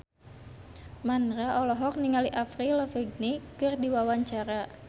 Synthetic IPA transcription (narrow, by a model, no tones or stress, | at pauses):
manɾaʔɔlɔɦɔk̚niŋaliʔafɾiləfəɡ̚nikɨrdiwawaɲt͡ʃaɾa